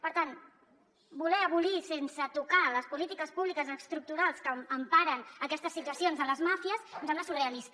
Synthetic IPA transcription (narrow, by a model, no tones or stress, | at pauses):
pəɾt̪an | bulɛəβulisensət̪ukaləspulit̪ikəspuβlikəzəkst̪ɾuk̚t̪uɾalˠskəːmpaɾənəkɛst̪əsːit̪uəsionzələzmafiəsnsɛmlaəsureəlist̪